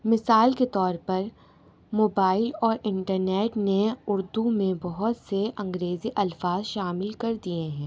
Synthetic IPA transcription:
mɪsaːlket̪ɔːɾpɐɾ | moːbaːɪlɔːɾʔɪ̃ɳʈəɾneːʈneʊɾd̪umẽbɔɦʊt̪seʔɐ̃ŋɡɾeːziʔɐlfaːzʃaːmɪlkɐɾd̪ieɦɛ̃ː

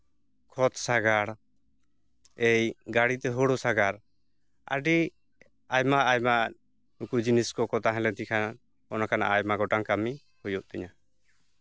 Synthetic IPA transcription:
kʰɔt̪saɡaɽ | ejɡaɽit̪ɛɦɔɽɔsaɡaɾ | a̰ɖi | ajmaʔːjma | nukud͡ʒiniskɔkɔt̪aɦɛ̃lɛt̪ikʰana | ɔnakana̰ʔajmaɡɔʈaŋkami | hujɔʔ̚t̪ɛɲa

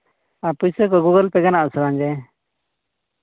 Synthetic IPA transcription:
apujsək̬ɔɡuɡəlpɛɡanaʔsəɾaɲd͡ʒɛ

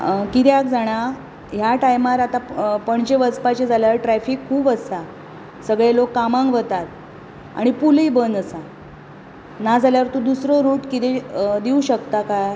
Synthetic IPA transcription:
kit̪jakd͡zaɽ̃a | ɦjaʈajmaɾat̪apəɳt͡ɕeʋət͡spat͡ɕed͡zaljaɾʈɾɛfikʰːuːbəsa | səɡɭelokːamãŋɡʋət̪at̪ | a̰ɽ̃ipulibənd̪əsa | nad͡zaljaʋəɾt̪ud̪usɾɔɾuʈkit̪ed̪iuɕəkt̪akaj

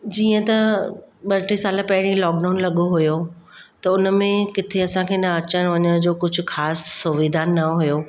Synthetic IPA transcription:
d͡ʑiːə̃t̪ɐɓɐʈesaːlapɐɦɪɽ̃ĩlɔːk̚ɖaːʊnlɐɠoɦʊjo | t̪ɐʊn̆mẽkɪt̪ʰeɐsãkʰeːnɐɐt͡ɕəɽ̃ʋɐɲəɽ̃d͡ʑoːkʊd͡ʑʱʊ̆xaːsːʊʋid̪ʱaːnnɐɦʊjoː

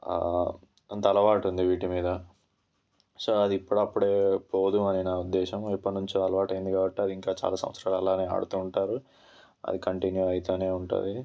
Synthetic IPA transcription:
ɐnt̪ɐɐlɐʋaːʈund̪iʋiːʈimiːd̪ɐ | soːɐd̪iːpːuɽɐpːuɽeːpo̞ːd̪uɐninaud̪ːɛːʃɐmipːɐʈnuɲt͡ʃuɐlɐʋaːʈɐjind̪iɡaːbɐʈːiɐd̪iiŋkaːt͡ʃa̰ːlaːsɐ̰mʋɐt̪sɾaːlɐlːaːneːa̰ːɽut̪uːɳʈaːɾu | ɐ̰d̪ikɐɳʈinjuɐjt̪oːne̞ːuɳʈṵd̪i

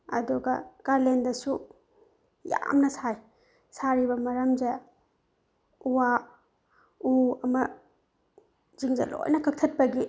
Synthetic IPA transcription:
ɐ̰duɡɐ̰kaɾlendɐsu | ja̰mnɐsaj | saɾibɐmɐɾɐmd͡ʒɐ | uwa | uɐmɐ | ziŋzɐ̰lo̰jnɐkʰɐk̚tʰɐt̚pɐɡi

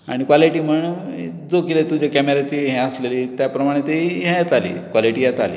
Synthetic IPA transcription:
a̰ɽ̃ikʋaliʈiːm̤əɳ | d͡zokilet̪ud͡ʑakɛmeɾat͡ɕiɦẽəsleliːt̪japɾəmaɽ̃et̪eiɦẽjat̪alḭːkʋaliʈiːɦet̪alḭː

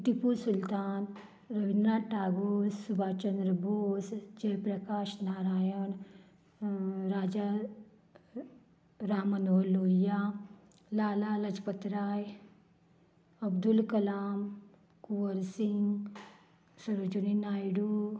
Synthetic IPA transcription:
t̪ipuɾsʊlt̪aːn | ɾɐbinɾaːʈaːɡoːssubʱaːt͡ʃənd̪ɾəboːsd͡ʒɐjpɾɐkaːʃnaːɾaːjəɳ | ɾaːd͡ʒa | ɾaːmənoːloːija | laːlaːlɐd͡ʒpət̪ɾaːj | ɐbd̪ulkɐlaːm | kuʋəɾsɪŋɡ | sɐɾod͡ʒuninaːjɽu

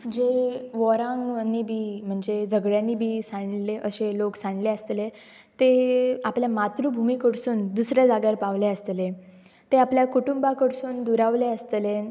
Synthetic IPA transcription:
d͡ʑeʋɔɾãŋɡnːibʱiːm̤əɳd͡zed͡zəɡɽjanːiːbʱiːsãɳleʔəɕeloksaɳleəst̪le | t̪eapljamat̪ɾubʱumiːkəɽsuːnd̪usɾjad͡zaɡaɾpaʋleəst̪le | t̪eapljakuʈumbakəɽsuːnd̪uɾaʋleəst̪le

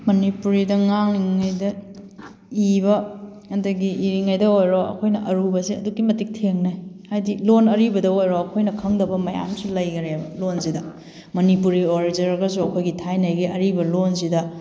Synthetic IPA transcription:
mɐnipuɾidɐŋaŋiŋɐjdɐ | ibɐkɐndɐɡiʔiɾiŋɐjdɐojɾoɐ̰kʰojnɐʔɐɾubɐsiɐdukːimɐtik̚tʰeŋnajhajdilonɐɾibɐdɐojɾoɐkʰojnɐkʰɐŋdɐbɐmɐja̰msulɐjɡɐɾebɐlonsidɐ | mɐnipuɾioɾid͡ʒɐɾɐɡɐs̬uɐkʰojɡitʰajnɐjɡiʔɐɾibɐlonsidɐ

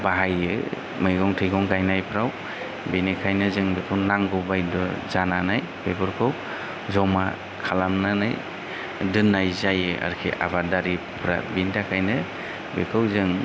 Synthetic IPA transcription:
baɦajɯ | mɯjɡɔŋtʰɯjɡɔŋɡajnajpʰɾaw | binikʰajnɯzɯŋbekʰɯwnaŋɡɯbajdɔzananaj | pʰebɔɾkʰɯw | zɔma̰ | kʰalamnana̰j | dɯnːajzajɯa̰ɾkʰḭʔa̰badaɾipʰɾa̰bindakʰajnɯ | bekʰɯwzɯŋ

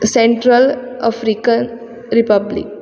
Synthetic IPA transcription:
sẽɳʈɾəlafɾikən | ɾipablḭk

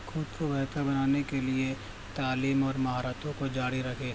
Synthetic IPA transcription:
xʊd̪kobɛɦt̪abɐnaːnekelie | t̪aːliːmɔːɾmɐɦaːɾaːt̪õkod͡ʒaːɽiɾɐkʰeː

